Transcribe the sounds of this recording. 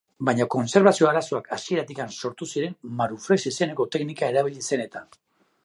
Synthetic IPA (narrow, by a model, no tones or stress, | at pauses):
bajɲako̞nse̞ɾβasio̞aɾaso̞akʰaskie̞ɾat̪ikanso̞ɾt̪usiɾe̞mmaɾufɾesise̞ne̞ko̞t̪e̞knikae̞ɾaβ̞iʎise̞ne̞t̪a